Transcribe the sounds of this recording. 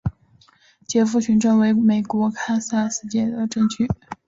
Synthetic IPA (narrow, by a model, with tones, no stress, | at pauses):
t͡ɕjɛ˧˥fu˥˩ɕʰy˧˥nʈ͡ʂɤ˥˩ŋwe˧˥ɪme˨˩ɪkwɔ˧˥kʰa˥sa˥sɹ̩˥˧t͡ɕjɛ˥˩d̪ə˩ʈ͡ʂɤ˥˧ŋt͡ɕʰy˥˩